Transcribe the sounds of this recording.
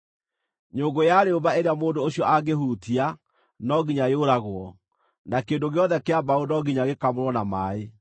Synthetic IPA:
ɲoːŋɡojaɾeobaeɾeamoːndoːɕiɔʔaɡehuːtia | nɔɣiɲajoɾaɣwɔ | nakeːndoɣeɔðɛkeabaonɔɡiɲaɣekamoɾwɔnamaːe

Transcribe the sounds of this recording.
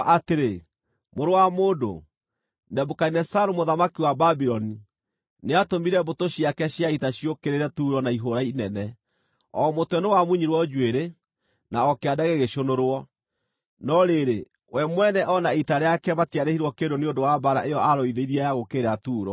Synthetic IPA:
ʔateɾe | moɾowamoːdo̰ | nɛbokainɛsaɾomoðamakiwababiɾɔni | neatomiɾɛbotoɕiakɛɕjaitaɕiokeɾeɾɛtuːɾɔnaiɦoɾainɛnɛ | ɔmotwɛnewamuɲiɾwɔd͡ʒuweɾe | naɔkeadaɣeɣeʃonoɾwɔ | nɔɾeɾe | wʔɛmwɛnɛʔɔnaitaɾeakɛmatiaɾehiɾwɔkedoneondowabaɾa̰ʔejɔaɾɔiðeiɾiajaɣokeɾatuːɾɔ̰

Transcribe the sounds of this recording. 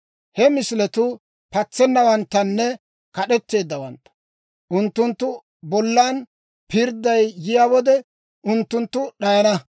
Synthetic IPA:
hɛmɪslɛt̪ʊ | pɐt͡sːɛnːɐwɐnt̪ːɐnːɛ | kɐɗɛt̪ːe̞ːd̪ːɐwɐnt̪ːɐ̥ | ʔʊnt̪ːʊnt̪ːʊ | bɔlːaːn | pɪɾd̪ːɐjjɪjaːwɔd̪ɛ | ʔʊnt̪ːʊnt̪ːʊɗɐjɐnɐ

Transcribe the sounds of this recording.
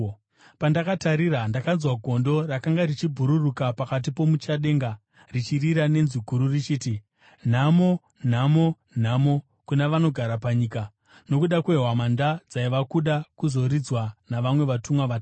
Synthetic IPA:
pandakataɾiɾandakanzwaɡʱo̞ndo̞rakaŋɡaɾit͡ʃibʱuɾurukapakat̬ipo̞mut͡ʃaɗe̞ŋɡa | rit͡ʃiriɾane̞nziɡʱuɾurit͡ʃiːti | n̤amo̞ | n̤amo̞ | n̤amo̞ | kuneʋano̞ɡʱaɾapaɲiːka | no̞kuɗakweɦwamandad͡zaiʋakuɗakuzo̞ɾid͡zwanaʋamwe̞ʋatumwaʋata

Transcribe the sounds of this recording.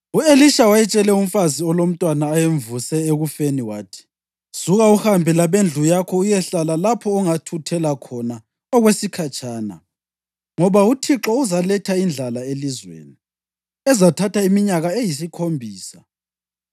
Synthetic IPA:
ueliʃawajɛt͡ʃʼɛlɛum̩faziɔlom̩tʼwanaːjeɱvusɛeɣufeniwaːtʰi̥ | suɣauhambʱɛlaβend͡ɮʱujakʰɔujɛɬalalapʰɔːŋatʰutʰɛlakʰɔna | ɔɣwesikʰat͡ʃʼaːna̰ | ŋɔβautʰiǁɔuzalɛtʰaind͡ɮʱalaelizwḛːni | ɛzatʰatʰaimiɲaɣaejis̬ikʰombʱiːsa

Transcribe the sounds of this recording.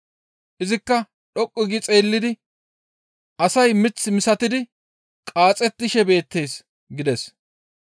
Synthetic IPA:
ʔɪzɪkːɐ | ɗɔkʼːɪɡɪt͡sʼe̞ːlːɪd̪ɪ | ʔɐsɐjmɪt͡sːmɪsɐt̪ɪd̪ɪ | kʼaːt͡sʼɛt̪ːɪʃɛbe̞ːt̪ːe̞ːs | ɡɪd̪ɛs

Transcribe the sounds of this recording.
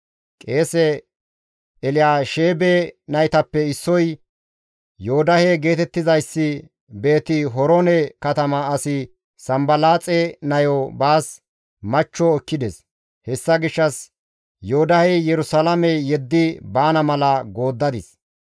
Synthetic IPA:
kʼeːsɛ | ɛlɪjaːʃeːbenɐjt̪ɐpːɛɪsːɔj | joʊd̪ɐheɡe̞ːt̪ɛt̪ːɪzɐjsːɪ | be̞ːt̪ɪɦɔɾonɛkɐt̪ɐmɐɐsɪ | sɐmbɐlaːt͡sʼɛnɐjɔbaːs | mɐt͡ʃːɔːkːɪd̪ɛs | hɛsːɐɡɪʃːɐs | joːd̪ɐhejɛɾʊsɐlɐmɛjɛd̪ːɪbaːnɐmɐlɐɡo̞ːd̪ːɐd̪ɪs

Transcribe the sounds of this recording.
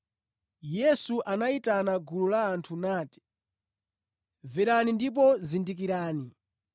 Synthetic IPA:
jɛsuʔanaitanaɡululaːntʰunaːti̥ | vɛɾanindip̬ɔzindik̬iɾaːni

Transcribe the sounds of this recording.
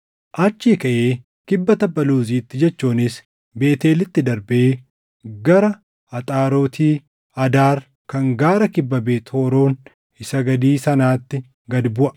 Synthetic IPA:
ʔɐt͡ʃːiːkɐʔeː | kɪbːɐt̪ɐbːɐluːziːt̪ːɪd͡ʒɛt͡ʃːuːnɪs | be̞ːt̪eːlɪt̪ːɪd̪ɐɾbeː | ɡɐɾɐ | ɐt̪ʼaːɾo̞ːt̪ʰiː | ɐd̪aːɾ | kɐŋɡaːɾɐkɪbːɐbeːt̪o̞ːɾo̞ːn | ɪsɐɡɐd̪iːsɐnaːt̪ːɪ | ɡɐd̪bʊʔɐ̥

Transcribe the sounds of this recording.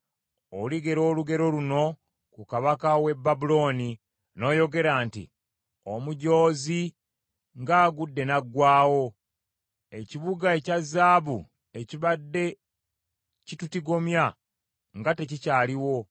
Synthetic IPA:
oliɡe̞ɾo̞ːluɡe̞ɾo̞luno̞ | kukaβakawe̞bːabulo̞ːni | no̞ːjo̞ɡe̞ɾaːntḭ | omuɟo̞ːzi | ŋɡaːɡudːe̞naɡwaːwo̞ | e̞ciβuɡae̞cazːaːβṵ | e̞ciβadːe̞ | citutiɡo̞mja | ŋɡate̞cicaːliwo̞

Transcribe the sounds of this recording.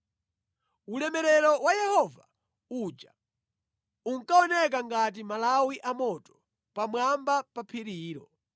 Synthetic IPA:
ulɛmɛɾɛɾɔwajɛhɔva | ud͡ʒa | uŋ̩kaɔnɛk̬aŋɡat̬imalawiʔamɔtɔ̥ | pamwambapapʰiɾiːɾɔ

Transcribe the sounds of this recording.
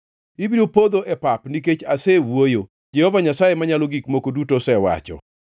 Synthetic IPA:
ibiɾopod̪oʔɛpapniket͡ʃasɛwwojo | d͡ʒɛhɔvaɲasajemaɲaloɡikmokodutosɛwa̰t͡ʃɔ̰

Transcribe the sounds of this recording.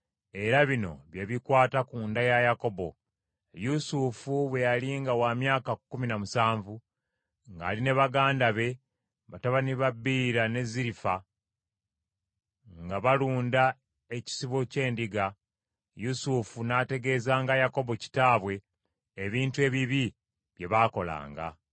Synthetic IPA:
e̞ɾaβino̞̰βjeβikwaːtakuːndajajako̞bo̞̰ | jusufuβwe̞jaliːŋɡawamjaːkakːuminamusaːɱvu | ŋɡa̰ːline̞βaɡaːndaβe̞ | βataβaniβabːiːɾane̞ziɾifa | ŋɡaβaluːnda | e̞ci̥siβo̞ce̞ːndiɡa | jusufunaːte̞ɡe̞ːzaːŋɡajako̞bo̞ci̥taːβwe̞ː | βiːntue̞ːβiβi | βje̞βaːko̞la̰ːŋɡa̰

